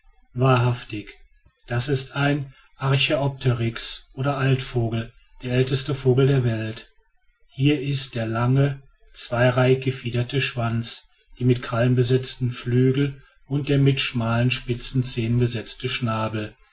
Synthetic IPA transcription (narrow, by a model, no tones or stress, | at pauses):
vaːɐɦaftɪç | d̥asɪstʰaɪn | ʔaɐçiɔp̚tʰəʁɪksʔoːɾɐʔaltfoːɡl̩ | d̥eːɐɛltəstəfoːɡl̩deːɐvɛlt | hiːɐɪst̚d̥eːɐlaŋə | t͡sv̥aɪʁaɪçɡ̥əfiːdɐtʰəʃv̥ant͡s | d̥iːmɪtkʁ̥alənbəzɛt͡stn̩flyːɡl̩ | ʊnt̚d̥eːɐmɪtʃmaːlənʃpɪt͡sn̩t͡seːnənbəzɛt͡stəʃnaːbl̩